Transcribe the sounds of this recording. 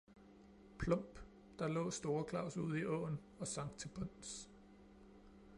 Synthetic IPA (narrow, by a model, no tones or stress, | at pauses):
pʰlɔ̽m̰b̥ | d̥ɑ̈lɔ̰̽ːsd̥o̝ːɐkʰlɑ̈ʊ̰suð̞̰ˠiʔɔ̰ːn | ɒ̽sɑ̈ŋ̰t͡sʰe̝b̥ɔn̰s